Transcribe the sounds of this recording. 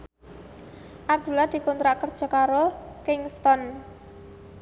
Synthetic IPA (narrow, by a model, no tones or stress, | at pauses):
ʔab̚d̪̥ṳlad̪̥i̤kɔnt̪ɾaʔkərd̥ʒ̥a̤kaɾokɪŋst̪ɔn